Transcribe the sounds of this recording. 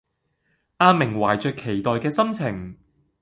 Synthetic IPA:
ʔaː˧mɪ˨˩ŋwaː˨˩jt͡ʃœː˨kʰːe˨˩jt̪ɔː˨jkɛː˧sɐ˥mt͡sʰɪ˨˩ŋ

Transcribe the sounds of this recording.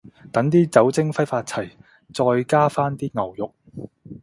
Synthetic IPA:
t̪ɐ˨˥ŋt̪̬iː˥t͡sɐ˨˥wt͡sɪ˥ŋfɐ˥jfaː˧t̚t͡sʰɐ˨˩j | t͡sɔː˧jkaː˥faː˥nt̪iː˥ŋɐ˨˩wjʊ˨k̚

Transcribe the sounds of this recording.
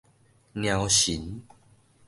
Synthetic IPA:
nj̃ã˧wɕi˨˦n

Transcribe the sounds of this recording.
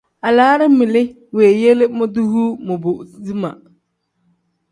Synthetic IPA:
a˨laː˨˦ɾɪ˦mɪ˨lɪ˦ | weː˨je˦lɪ˦mʊ˦du˦huː˦mʊ˨bʊ˨di˦ma˨

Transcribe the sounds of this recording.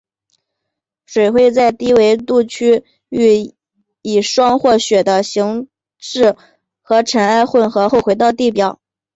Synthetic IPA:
ʂwe˨˩ɪxwe˥˧ɪt͡sa˥˧ɪt̪i˥we˧˥ɪt̪u˥˧˩t͡ɕʰy˥ | y˥˩ | i˨˩ʂwɑ˥ŋxwɔ˥˩ɕɥɛ˨˩d̪ə˦ɕi˧˥ŋ | ʂɻ̩˥˩ | xɤ˧˥ʈ͡ʂʰə˧˥na˥˧ɪxwə˥˩nxɤ˧˥xo˥˩ʊxwe˧˥ɪt̪ɑ˥˧ʊt̪i˥˩pjɑ˨˩˦ʊ

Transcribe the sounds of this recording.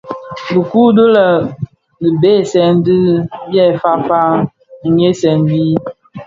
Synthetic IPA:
bə˨ku˦də˦lə˨ | nə˨be˦˨sɛ˨n˦di˦bjɛ˦˨fa˦fa˦˨ | ɲe˦sɛ˨nbi˦

